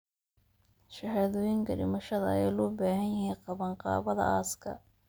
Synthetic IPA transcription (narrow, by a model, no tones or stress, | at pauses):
ʃɐhaːðɔːjɪŋkʰɐɖɪ̰mɐʃɐðɐ̰ɛjlɔːbaːhɐnjɐhiːnqɑβɐnqɑ̰ːβɐðɐ̰ʔaːskʰɐ̰